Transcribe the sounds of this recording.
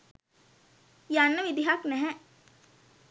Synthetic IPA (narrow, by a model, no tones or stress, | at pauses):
janːəʋid̪iɦaknɛɦɛ̃